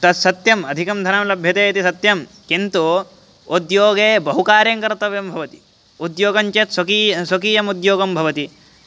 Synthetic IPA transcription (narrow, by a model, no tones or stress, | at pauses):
t̪ɐt̪sɐt̪jɐmɐd̪ʱikɐmd̪ʱɐnɐmlɐbʱjɐt̪eːɐt̪isɐt̪jɐm | kint̪u | ud̪joːɡeːbɐɦukaːɾjɐŋkɐɾt̪ɐʋjɐmbʱɐʋɐt̪i̥ | ud̪joːɡɐɲt͡ʃet̪sɐkisɐkiːjɐmud̪joːɡɐmbʱɐʋɐt̪i